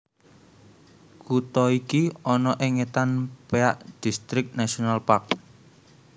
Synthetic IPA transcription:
kut̪ɔikiɔnɔʔɪŋet̪anpeaʔd̪̥i̤st̪ɾɪk̚nasionalpak̚

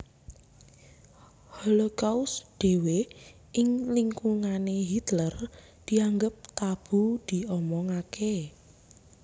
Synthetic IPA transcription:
hɔlokausɖ̪̥e̤we | ʔɪŋliŋkuŋaneɦit̪lər | d̪̥i̤aŋɡəp̚t̪ab̥ṳd̪̥i̤ɔmɔŋakʰe

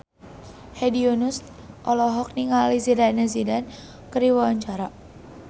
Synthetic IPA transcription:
hedionus | ʔɔlɔɦɔk̚niŋalizidanazidan | kəɾiwawaɲt͡ʃaɾa

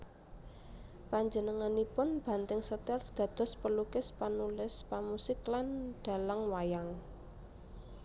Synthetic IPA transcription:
paɲd͡ʒənəŋanipʊnb̥ä̤nt̪ɪŋsət̪ɛrd̪̥ä̤d̪̥ɔ̤spəlukɪspanulɪspamusɪklanɖ̥a̤ləŋwajaŋ

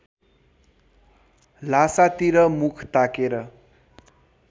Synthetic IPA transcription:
lasat̪iɾʌmukʰt̪akeɾʌ

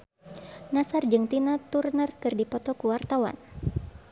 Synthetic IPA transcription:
nasard͡ʒɨŋt̪inat̪urnərkɨrdipɔt̪ɔkuwart̪awa̰n

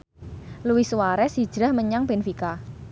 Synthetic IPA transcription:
luwɪhsuwaɾɛsid̥ʒ̥ɾahməɲaŋb̥enfika

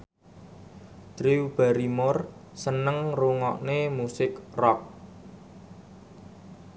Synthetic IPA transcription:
d̪̥ɾiwb̥a̤ɾimʊrsənəŋruŋɔʔnemusɪkrɔk̚

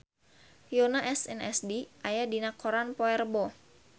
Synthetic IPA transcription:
jonaʔɛsɛnɛsdiʔajadinakɔɾanpɔɛrbɔ

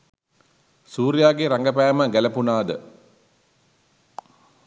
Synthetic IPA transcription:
suːɾjaːɡeɾaŋɡəpæːməɡælɐpunaːd̪ə

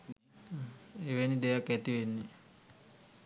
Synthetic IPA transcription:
eʋenid̪ejakːæt̪iʋenːi

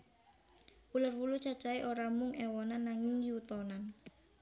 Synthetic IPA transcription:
ulʊrwulut͡ʃḁt͡ʃaiʔoɾamʊŋɛwɔnanːaŋɪŋjut̪ɔnan

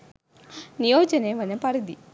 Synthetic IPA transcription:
nijoːd͡ʒɐneʋɐnɐpɐɾid̪i

